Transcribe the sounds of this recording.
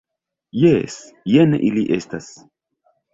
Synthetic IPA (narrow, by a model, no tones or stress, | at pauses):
jes | jenḛʔiliʔestas